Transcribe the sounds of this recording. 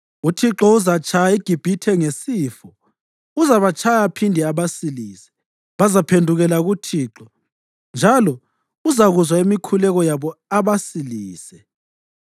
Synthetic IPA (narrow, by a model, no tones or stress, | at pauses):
utʰiǁɔuzat͡ʃʰʼajaiɡ̥ʱib̥ʱitʰɛŋesiːfɔ | uzaβat͡ʃʰʼajapʰindʱɛaβasiliːsɛ̥ | βazapʰendʱuɣɛlaɣutʰiːǁɔ | nd͡ʒʱalɔ | uzaɣuzwaimikʰulɛɣɔjaβɔaβasiliːsɛ